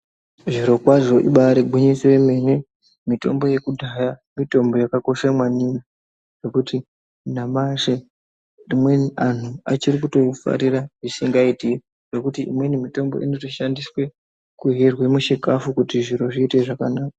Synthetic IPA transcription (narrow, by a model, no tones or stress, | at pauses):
ʐiɾo̞kwaʐo̞ʔḭɓaɾeɡʱwiɲiseeme̞ne̞ | mito̞̰mbo̞je̞kudʱajamito̞mbo̞jakako̞ʃamwanina | ʐ̥okuti | namaʃe | rimwean̤uat͡ʃiɾikuto̞fa̰ɾiɾaʐisiŋɡaiti | ʐ̥o̞kutiḭmwe̞nimito̞mbo̞̰ʔinotoʃandiswe̞ | kuɦerwemuʃikafukutiʐiɾo̞ʐiːte̞ʐakanaːkḁ